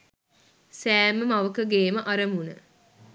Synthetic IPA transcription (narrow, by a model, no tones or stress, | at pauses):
sæːməmaʋəkəɡeːməʔɐɾəmunə̰